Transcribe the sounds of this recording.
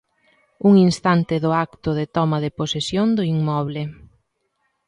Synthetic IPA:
uŋinst̪ant̪ɪðʊakt̪ʊðet̪ɔmaðeposesjond̪ʊiŋmɔβlɪ

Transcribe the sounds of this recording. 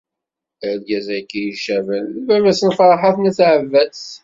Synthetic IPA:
əlɡæzækːijiʃævənværæsənfɾˤħaθnæθʕəvːæs

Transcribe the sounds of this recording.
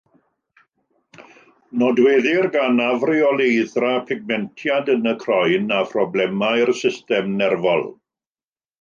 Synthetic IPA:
nɔdweːðɪrɡanavrɪɔlˠejðrapʰɪɡ̚mɛntʰjadənəkʰrɔjnapʰrɔblɛmaɨrsɪstɛmnɛrvɔlˠ

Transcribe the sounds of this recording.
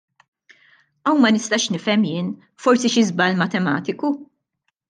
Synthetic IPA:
ɐwmɐnɪst̪ɐːʃnɪfɛmjɪːn | fɔɾsiʃɪzbɐlmɐt̪ɛmɐ̰ːt̪ɪku

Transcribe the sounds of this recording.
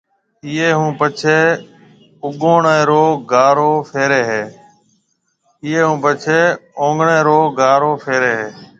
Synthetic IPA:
iːeːɦũːpət͡ʃʰeː | ʊɠoːɳẽːɾoːɡaːɾoːfʰeːɾeːɦeː | ɪːeːɦũːpət͡ʃʰeːõːŋɡɳẽːɾoːɡaːɾoːfʰeːɾeːɦeː

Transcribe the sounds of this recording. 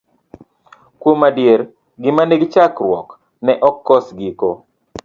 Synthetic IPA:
kwomadjeɾ | ɡɪmaneɡɪt͡ʃakrwɔk | nɛʔɔkːɔsɡiko

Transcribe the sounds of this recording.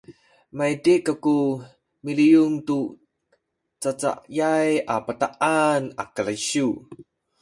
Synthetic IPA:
majdikːaku | milijuŋtu | t͡sat͡sa̰ʔjajapataʔana̰kəlaiɕu

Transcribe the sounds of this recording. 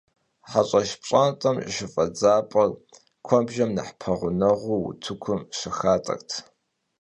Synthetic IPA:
ħaɕʼɐʃpɕʼantʼɐmʼʃɪfʼɐd͡zaːpʼɐl | kʷʰɔbʒɐmnɐ̰ħpʰɐʁʷʊnɐʁʷuwʊ̰tʰɨkʷʰʊmʃɪxaːtʼɐ̰ktʰ

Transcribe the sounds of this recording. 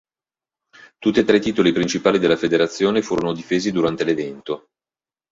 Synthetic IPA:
t̪ut̪ːiet̪ːɾet̪ːiːt̪olipɾint͡ʃipaːlid̪elafed̪eɾat̪sːjoːnefuːɾonod̪ifeːzid̪uɾant̪elevɛnt̪o

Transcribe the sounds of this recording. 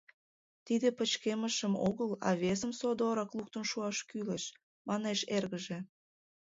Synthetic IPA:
t̪id̪epət͡ɕkeməʃəmoɣəlɑ̰βes̬əmsod̪oɾɑklˠuk̚t̪ənʃuɑʃkyləʃ | mɑneʃerɣəʒe

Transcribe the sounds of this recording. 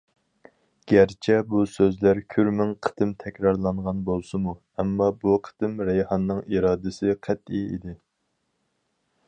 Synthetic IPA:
ɡ̥ʲæɾt͡ʃʰɛbusøzlæɾkʲʰyɾmɪŋqʰə̥t̪ɨmt̪ʰɛkʲɾɑɾlˠɑɴʁɑnbolˠsɨmu | ɛmːɑbuqʰə̥t̪ɨmɾɛjhɑnːɨŋiɾɑːd̪ɪsɪqʰæt̪ʰːiḭd̪ɪ

